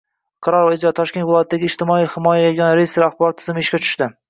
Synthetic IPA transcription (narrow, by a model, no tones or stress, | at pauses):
qʰɑɾɒɾvaɪd͡ʒɒt̪ʰɒʃkʲet̪vɪlˠɒjat̪ʰːd̪aɡʲɪːd͡ʒt̪ɪmɒijhɪmɒjajeɡʲanɾejɪst̪ɾaχbɒɾt̪ʰːɪzɪmɪeʃkʲat͡ʃʰʊ̥ʃt̪ɪ